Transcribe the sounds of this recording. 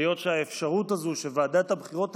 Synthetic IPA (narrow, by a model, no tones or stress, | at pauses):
jo̞tʃeaefʃaʁut̪azuʃevaːd̪aet̪abχiʁo̞t̪